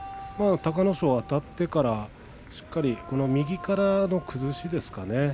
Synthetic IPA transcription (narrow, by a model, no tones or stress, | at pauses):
maːt̪akano̞ɕoːat̪at̪ːe̞kaɾa | ɕi̥kːaɾʲiko̞no̞mʲiɡʲikaɾano̞kʰɯ̟zɨɕid̪e̞sɨ̥kane̞